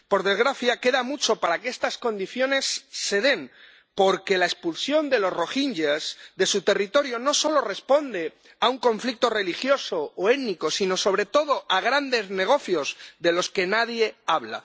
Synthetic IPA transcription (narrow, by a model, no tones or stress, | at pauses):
po̞ɾðe̞zɣɾaθjake̞ðamut͡ʃo̞paɾakeest̪asko̞nd̪iθjo̞ne̞sːe̞ðe̞n | po̞ɾke̞lae̞spulsjo̞nd̪e̞lo̞zro̞xinʝezðe̞sut̪e̞rit̪o̞ɾjo̞no̞so̞lo̞re̞spo̞nd̪e̞ | auŋkõ̞ɱflik̚t̪o̞re̞lixjo̞soːeniko̞sino̞so̞β̞ɾe̞t̪o̞ð̞o̞ʔaɣ̞ɾand̪e̞zne̞ɣ̞o̞θjo̞zðe̞lo̞ske̞naðje̞aβ̞la̰